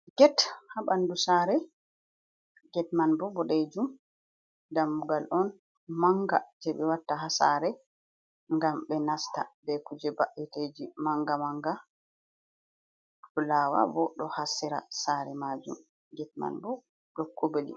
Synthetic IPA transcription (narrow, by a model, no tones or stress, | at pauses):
ɡɛthaɓandusaːɾɛ | ɡɛtmanbɔbɔɗed͡ʒum | damːuɡalʔɔn | maŋɡad͡ʒɛbɛwatːaɦasa̰ɾɛ | ŋɡambɛnastabɛkud͡ʒɛbaʔited͡ʒimaŋɡamaŋɡa | ɗɔlaːwa̰bɔɗɔhasiɾa̰saːɾɛmaːd͡ʒum | ɡɛt̚ma̰nbɔ | ɗɔkːobelḭ